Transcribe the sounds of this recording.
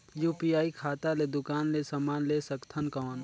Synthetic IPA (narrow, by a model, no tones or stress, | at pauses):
juːpijaːikʰaːt̪aled̪ʊkaːnlesɐmaːnleːsɐkt̪ʰənkɔːn